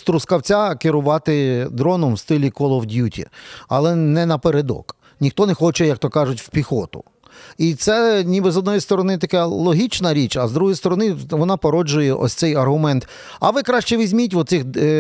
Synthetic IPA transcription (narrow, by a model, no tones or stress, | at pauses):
st̪ɾʊskɐwt͡sʲakɪɾʊʋɑt̪ɪd̪ɾɔnɔmwst̪ɪlʲikɔlˠɔwdʲjutʲḭɐ̰lˠɛnɛnɐpeɾed̪ɔ̰k | nʲixt̪ɔnɛxɔt͡ʃɛjɐk̚t̪ɔkɑʒʊtʲwpʲixɔt̪ʊ̰ | it̪sɛnʲibɪzɔd̪nɔjist̪ɔɾɔnɪt̪ɐkɛlˠɔɦʲit͡ʃnɐɾʲit͡ʃɐzd̪ɾuɦɔjst̪ɔɾɔnɪʋɔnɑpɔɾɔd͡ʒʊjɛʔɔ̰sʲt̪sɛjɐrɦʊmɛnt̪ | ɐ̰ʋɪkɾɑʃt͡ʃɛʋʲizʲmʲitʲʋɔsɪx